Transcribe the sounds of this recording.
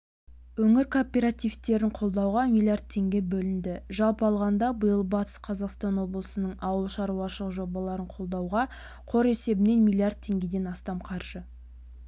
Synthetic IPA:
wɵŋɪɾkʰopʲe̞ɾat̪ivt̪e̞ɾɪɴqʰo̞lˠd̪ɑwʁɑmijlˠijard̪̚t̪ʰːe̞ŋɡʲe̞bɵlɪnd̪ɪʒɑlˠpəɑlˠʁɑnd̪ɑbəjəlˠbɑt̪ə̥sqʰɑzɑqst̪ɑnwo̞blˠəsənəɴɑwəlˠʃɑɾuɑʃəlˠəqʒo̞bɑlˠɑɾəɴqʰo̞lˠd̪ɑwʁɑ | qʰo̞ɾe̞se̞bɪne̞nmʲilˠjard̪̚t̪ʰːe̞ŋɡʲe̞d̪e̞nɑst̪ɑmqʰɑɾʒ̥ə

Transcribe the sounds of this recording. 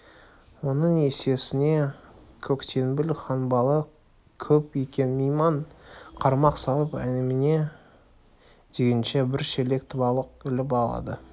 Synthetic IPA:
wo̞nəɴe̞se̞sɪne̞kʲʰɵkt̪ʰe̞nbɪlχɑnbɑlˠə | kʲʰɵpekʲe̞nmejmɑɴqʰɑɾmɑqsɑlˠəpæ̰nɪmɪne̞ | d̪e̞ɡʲɪnʃe̞bɪɾʃele̞kt̪bɑlˠəq̚ɪlɪpɑlˠɑ̰d̪ə

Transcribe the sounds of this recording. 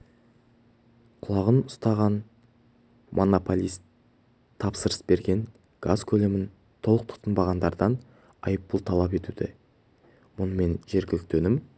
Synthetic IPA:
qʰʊlˠɑʁənʊst̪ɑʁɑn | mʔo̞nopolʲˠist̪ʰː | ɑpsəɾəsbe̞ɾɡʲe̞n | ɡ̥azkʲʰɵle̞mɪn | t̪ʰo̞lˠəq̚t̪ʰʊ̥t̪ənbɑʁɑnd̪ɑɾd̪ɑn | ɑjəpːəlˠt̪ʰɑlˠɑpe̞t̪ud̪ɪ | mʊnəme̞nʒe̞ɾɡʲɪlɪk̚t̪ɵnɪm

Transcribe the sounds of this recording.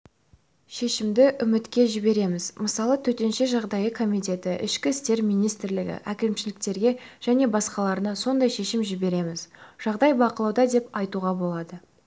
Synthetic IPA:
ʃe̞ʃɪmd̪ɪʔʏmɪt̪kʲe̞ʒɪbe̞ɾe̞mɪzməsɑlˠət̪ʰɵt̪enʃe̞ʒɑʁd̪ɑjəkʰo̞mijt̪e̞t̪ɪʔɪ̰ʃkʲɪst̪e̞ɾmijnijst̪ɪɾlɪɡʲɪ̰ʔækʲemʃɪlɪk̚t̪e̞ɾɡʲe̞ʒ̥æne̞bɑsqɑlˠɑɾənɑso̞nd̪ɑjʃe̞ʃɪmʒɪbe̞ɾe̞mɪzʒ̥ɑʁd̪ɑjbɑqəlˠɑwd̪ɑd̪e̞pɑjt̪uʁɑbo̞lˠɑd̪ə

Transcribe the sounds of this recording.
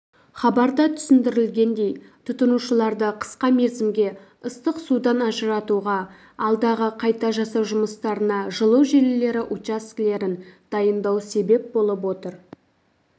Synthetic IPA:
χɑbɑɾd̪ɑt̪ʰʏ̥sɪnd̪ɪɾɪlɡʲe̞nd̪e̞j | t̪ʰʊt̪ənuʃəlˠɑɾd̪əqʰə̥sqɑme̞ɾzɪmɡʲe̞ | əst̪əqsud̪ɑnɑʒəɾɑt̪uʁɑ | ɑlˠd̪ɑʁəqʰɑjt̪ɑʒɑsɑwʒʊməst̪ɑɾənɑʒəlˠəwʒelɪle̞ɾɪʔut͡ʃaskle̞ɾɪnd̪̥ɑjənd̪ɑwse̞be̞p̚bo̞lˠəp̬wo̞t̪əɾ

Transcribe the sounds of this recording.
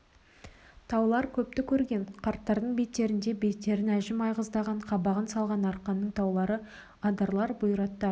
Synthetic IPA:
t̪ʰɑwlˠɑɾkʲʰɵp̚t̪ɪkʲʰɵɾɡʲe̞ɴqʰɑɾt̪ːɑɾd̪əɴbe̞t̪ːe̞ɾɪnd̪e̞be̞t̪ːe̞ɾɪnæʒɪmɑjʁəzd̪ɑʁɑɴqʰɑbɑʁənsɑlˠʁɑnɑɾqɑnːəɴt̪ʰɑwlˠɑɾə | ɑd̪ɑɾlˠɑɾbʊjɾɑt̪ːɑ

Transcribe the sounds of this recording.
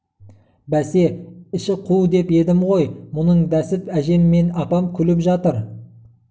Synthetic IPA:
bæse̞ɪʃɪqʰud̪e̞pe̞d̪ɪmʁo̞jmʊnəɴd̪æsɪpæʒe̞mːe̞nɑpɑmkʲʰʏlɪpʒɑt̪əɾ

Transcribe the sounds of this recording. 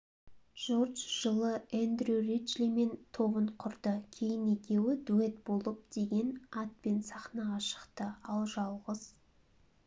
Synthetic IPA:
ʒ̥o̞rʒʒ̥əlˠəand̪rurit͡ʃlime̞nt̪ʰo̞βəɴqʰʊɾd̪əkʲʰe̞jɪne̞kʲe̞wɪd̪ue̞t̪̚bo̞lˠəp̚d̪̥e̞ɡʲe̞nɑt̪̚pe̞nsɑχnɑʁɑʃə̥qt̪əɑlˠʒɑlˠʁəz̥

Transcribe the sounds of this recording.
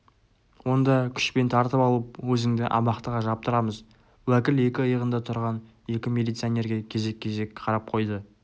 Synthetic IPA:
wo̞nd̪ɑkʲʰʏ̥ʃpe̞nt̪ʰɑɾt̪əpɑlˠəp̚wɵzɪŋd̪ɪʔɑ̰mɑqt̪əʁɑʒɑp̚t̪əɾɑməz | wækʲɪle̞kʲɪəjəʁənd̪ɑt̪ʰʊɾʁɑn | e̞kʲɪmʲelijt̪sɨonʲe̞ɾɡʲe̞kʲʰe̞ze̞kʲʰːe̞ze̞kqʰɑɾɑp̚qʰo̞jd̪ə

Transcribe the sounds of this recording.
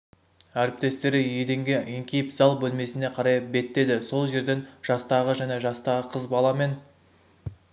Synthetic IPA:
æɾɪp̚t̪e̞st̪e̞ɾɪjed̪e̞ŋɡʲeeŋkʲʰejɪpzɑlˠbɵlme̞sɪne̞qʰɑɾɑjbe̞t̪ːe̞d̪ɪso̞lˠʒe̞ɾd̪e̞nʒ̥ɑst̪ɑʁəʒæne̞ʒɑst̪ɑʁəqʰəzbɑlˠɑme̞n

